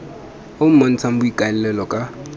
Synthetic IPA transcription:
ʊm̩mon̩t͡sʰam̩bʊikʼalɛlɛlɔkʼa

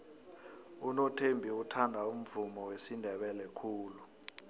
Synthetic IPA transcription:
unotʰembʱiutʰandʱaum̩vumɔwesindʱɛɓɛlɛkʰuːlu

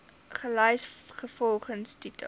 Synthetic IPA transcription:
χəlœjsχəfɔlˠχənstitə̰

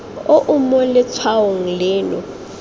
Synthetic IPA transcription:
ʊʔʊmɔlɪt͡sʰwaoŋ̩lɪːnɔ

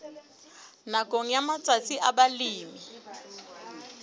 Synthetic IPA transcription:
nakʼoŋ̩jamat͡sʼat͡sʼiʔabaliːmi

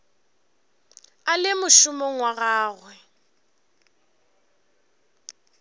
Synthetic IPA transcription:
alɪmʊʃʊmoŋwaɣaːɣwɛ

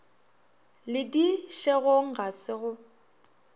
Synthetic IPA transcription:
lɪdiʃeɣoŋ̩ɣasɪɣʊ

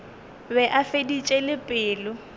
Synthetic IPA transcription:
bɛʔafedit͡ʃʼɛlɪpʼɪːlʊ

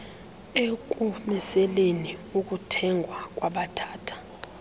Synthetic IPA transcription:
ekʼumɛsɛleniuk̬ʼutʰɛŋɡʱwak̬ʼwaɓatʰaːtʰḁ

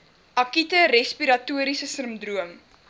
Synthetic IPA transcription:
ʔɐkitəɾɛspiɾɐtuəɾisəsəmpdruəm

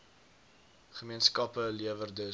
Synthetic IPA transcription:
χəmiənskɐpəliəvərdə

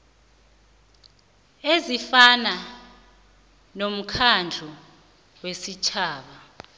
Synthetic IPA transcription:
ezifana | nom̩kʰand͡ɮʱu | wesit͡ʃʰaːɓa

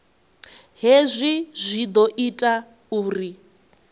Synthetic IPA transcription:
ɦezʷizʷid̪ɔʔitʼa | uːri

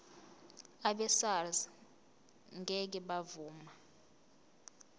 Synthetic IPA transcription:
aɓɛsarz | ŋɡʱɛk̬ɛɓavuːma

